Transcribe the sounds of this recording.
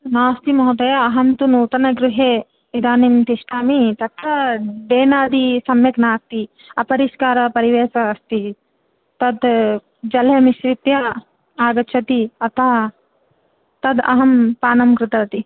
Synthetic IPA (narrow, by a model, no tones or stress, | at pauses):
naːst̪imɐɦɐd̪ɐjɐːɦɐnt̪unuːt̪ɐnɐɡɾuɦeː | ʋid̪aːnimt̪iʃʈaːmit̪ɐkɐɖeːnaːd̪isɐmjɐknaːst̪i | ɐpɐɾiʃkaːɾɐpɐɾiʋeːsɐːst̪i | t̪ɐd̪ | d͡ʒɐljɐmiʃɾit̪jɐ | aːɡɐt͡ʃʰɐt̪iɐt̪ɐ | t̪ɐd̪ɐ̰ɦɐmpaːnɐmkɾɪt̪ɐɐt̪i